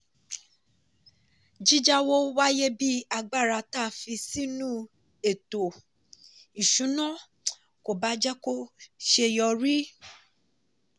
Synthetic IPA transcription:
d͡ʒi˦d͡ʒa˦wo˦wa˦je˦bi˦a˧ɡ͡ba˦˨ɾa˧ta˦˨fi˧si˦nũ˦ | e˨to˨ | i˨ʃũ˨˦nɔ̃˦˨ | ko˨ba˦d͡ʒɛ˦ko˦ʃe˧jɔ˧ɾi˦

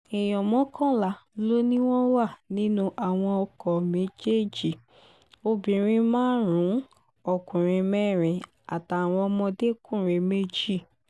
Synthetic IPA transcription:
e˨jɔ˨mɔ̃˨˦kʰɔ̃˦˨la˨˦lo˦nĩ˦w̃ɔ̃˦wa˦˨nĩ˦nũ˦ʔa˨w̃ɔ̃˧ɔ˧kɔ˨me˨˦d͡ʒe˦˨d͡ʒi˦˨ | o˧bĩ˨ɾ̃ĩ˧˦mãː˦ɾũ˨˦ | ɔ˧˨kũ˨ɾ̃ĩ˧mɛ˦˨ɾ̃ĩ˨ | a˨ta˨a˨w̃ɔ̃˧ɔ˧mɔ̃˧de˦kũ˦˨ɾ̃ẽ˧me˦d͡ʒi˦˨

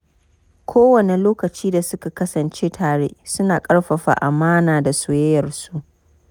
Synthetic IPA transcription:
kʷʰoː˦wɐ˨ne˨loː˦kɐ˨t͡ʃiː˦da˨sʊ˦ka˨kɐ˦sɐ˨nt͡ʃe˦tʰaː˨ɽḛ˦ʔsʊ˦naː˨kʼɐ˦ɽɸɐ˨ɸa̰ː˨ʔa˨maː˦naː˨da˨soː˨˦jɐ˦jɐ˨rsu˦ʔ

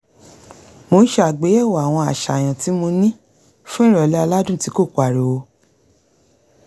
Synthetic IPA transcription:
mo˧˦ʃe˧˦a˨ɡ͡be˨˦ɛ˦˨wa˨a˨w̃ɔ̃˧a˨ʃa˨j̃ã˨ti˨˦mo˧nĩ˦ | fũ˦ĩ˦ɾɔ˨lɛ˦a˧la˦dũ˦˨ti˨˦ko˦˨k͡pa˨ɾe˨wo˧˦

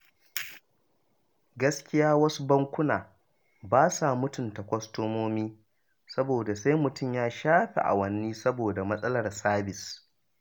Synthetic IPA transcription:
ɡɐ˦skʲɪ˦jaː˦wɐ˦su˦bɐ˦ŋkʷʊ˦naː˨ | baː˦sa˨mʊ˦tʊ˨ntɐ˨kʷɔ˦stoː˦moː˦miː˦ | sɐ˦boː˨da˨sa˦jmʊ˨tʊ˦˨mjaː˦ʃaː˦ɸḛ˨ʔa̰˨wɐ˦nːiː˦sɐ˦boː˨da˨mɐ˦sʼɐ˦lɐ˨rsaː˦bɪ˨s

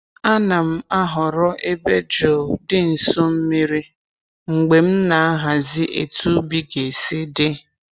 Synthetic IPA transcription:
a˦na˨m̩˦a˦ɦʊ˨ɾɔ˦ʔe˦be˦d͡ʒo˨dɪ˦n̩˨so˦m̩˦mi˦ɾi˦ | ŋ͡m̩˨ɡ͡be˨m̩˦na˨a˦ɦa˨zɪ˦ʔe˨tu˦bi˦ɡe˨si˦dɪ˦

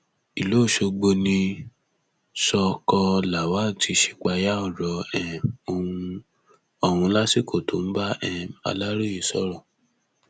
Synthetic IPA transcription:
i˨lo˨˦˨ʃo˧ɡ͡bo˧nĩ˧ | sɔ˧kɔ˧la˨wa˦˨ti˧ʃi̥˧k͡pa˧ja˦ɔ˦˨ɾɔ˨˦ɛ˦˨o˧ũũ˧ | ɔ˧hũ˧˦la˦si˦ko˦˨to̰˨n̩˦ba˦ɛ˧a̰˧la˦ɾu˦ji˦˨sɔ˦ɾɔ˦˨

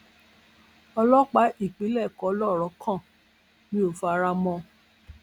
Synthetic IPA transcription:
ɔ˧lɔ˦k͡pa˨˦ʔi˦˨k͡pe˨˦lɛ˦˨kɔ˨˦lɔ˦˨ɾɔ˨˦kʰã˦˨ | nĩ˦o˨fa˨˧˦ɾa˧mɔ̃˧

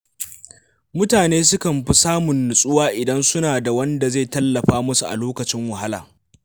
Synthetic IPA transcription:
mʊ˦taː˨neː˦s̬ʊ˦kɐ˨mɸi˦saː˦mʊ˨nːʊ˨sʼʊ˦waː˦ʔɪ˨dɐ˦nsʊ˦naː˨da˨wɐ˦nda˨zeː˦˨tɐ˦lːɐ˨ɸaː˦mʊ˦su˨ʔa̰˨loː˦kɐ˨t͡ʃɪ˦ŋwɐ˨ɦa˦la̰ː˨

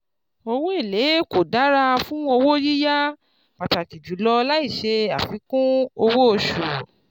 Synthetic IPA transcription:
o˧wo˦i˦˨le˨˦ko˨da˨˦ɾa˧fũ˦wo˧wo˦ji˦ja˦ | b̥a˨ta˨ki˨d͡ʒu˨˦lɔ˧la˦i˦˨ʃe˧a˨fi˨˦kũ˦o˧wo˦o˧˨ʃu˨

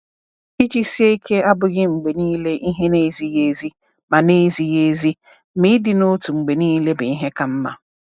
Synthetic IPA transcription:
i˦d͡ʒi˦si˦e˦i˦kʰe˦a˦bʊ˨ɣɪ˦ŋ͡m̩˨ɡ͡be˨nĩː˦le˦ʔi˦ɦe˦ne˦zi˨je˨˦zi˦ | mã˨ne˦zi˦je˦zi˦ | mɪ̃˦dɪ˦nʊ˦tʰu˨ŋ͡m̩˨ɡ͡be˨nĩː˦le˦bɪ˨i˦ɦɛ˦ka˨m̩˦mã̰˨

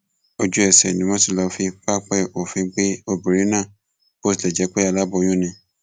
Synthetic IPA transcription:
o˧d͡ʒu˦ɛ˦˨sɛ̰˨nĩ˨˦mɔ̃˦si˦˧˨lɔ˧fĩ˧k͡pa˦k͡pɛ˦ʔo˨fĩ˧˦k͡pe˦o˦˨bi˨ɾi˨˦nãː˦˨ | ko˦si˨lɛ˨d͡ʒɛ˨˦k͡pɛ˦a˧˨la˦bɔ˧j̃ũ˦nĩ˧˦

